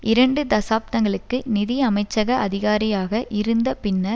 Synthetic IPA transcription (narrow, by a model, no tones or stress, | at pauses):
ɪɾɐɳɖɯd̪ɐsaːp̚t̪ɐŋɡɐɭɯkːɯnɪðɪɐmɐɪt͡ʃːɐɣɐʔɐðɪɣaːɾɪjaːɣɐʔɪɾɯnd̪ɐpɪnːɐ